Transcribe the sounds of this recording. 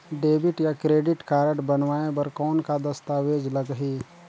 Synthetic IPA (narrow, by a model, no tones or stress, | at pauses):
ɖeːbɪʈjakɾeːɖɪʈkaːɾəʈbɐnʋaːebɐɾkɔːnkad̪ɐst̪aːʋeːd͡ʒlɐɡɦiː